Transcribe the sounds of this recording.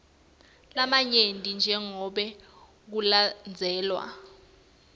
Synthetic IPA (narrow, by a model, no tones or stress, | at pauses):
lamaɲendʱʼind͡ʒʱɛŋɔɓɛ | k̬uland͡zʱɛːlwa̰